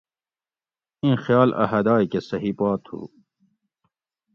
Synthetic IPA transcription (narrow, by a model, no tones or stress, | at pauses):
ĩxjɑːlʔɐ̰ɦɐd̪ɑːjkesɐɦipɑːt̪hṵ